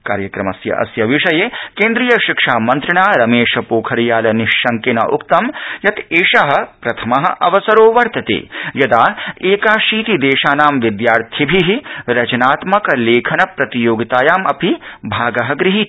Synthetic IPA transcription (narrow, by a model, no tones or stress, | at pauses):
ka̰ːɾjɐkɾɐmɐsjɐ̰ʔɐ̰sjɐʋiʂɐjeːkeːnd̪ɾijɐʃikʂaːmɐnt̪ɾɐɳaːɾɐmeːʃɐpoːkʰɐɾijaːlɐniʃːɐŋkenɐ̰ʔukt̪ɐmjɐt̪eːʃɐɦɐ̆pɾɐt̪ʰɐmɐɦɐ̰̆ʔɐʋɐsɐɾoːʋɐɾt̪ɐt̪ḛːjɐd̪aːeːkaːʃiːt̪id̪eːʃaːnaːmʋid̪jaːɾt̪ʰjibʱiɦiɾɐt͡ʃɐnaːt̪mɐkɐleːkʰɐnɐpɾɐt̪ijoːɡit̪aːjaːmɐpibʱaːɡɐɦɐ̆ɡɾiɦi